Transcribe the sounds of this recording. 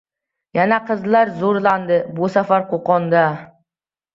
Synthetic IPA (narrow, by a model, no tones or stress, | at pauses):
janaqʰɨzlˠaɾzoɾlˠand̪ɪbʊsafaɾqʰoqɒnd̪a